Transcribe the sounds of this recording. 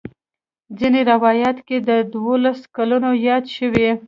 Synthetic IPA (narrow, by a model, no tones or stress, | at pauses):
d͡zineɾawɑjat̪ked̪əd̪wolaskalunojɑd̪ʃəwi